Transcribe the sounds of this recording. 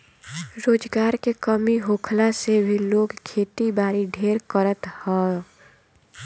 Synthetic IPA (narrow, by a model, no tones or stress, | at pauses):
ɾoːd͡ʒɡaːɾkekəmiɦoːkʰlasebʱiloːɡkʰeːʈ̪ibaːɾiɖʱeːɾkəɾət̪hɛ̃